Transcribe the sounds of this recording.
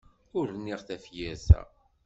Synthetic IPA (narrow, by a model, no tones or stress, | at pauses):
ʊɾənːiʁθæfjæsæ̰